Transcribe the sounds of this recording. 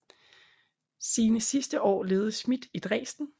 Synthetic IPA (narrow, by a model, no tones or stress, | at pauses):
siːnəsisd̥əʔɒ̰ːle̝ːð̞ˠsmid̥id̥ʁɛ̰ːsd̥n̩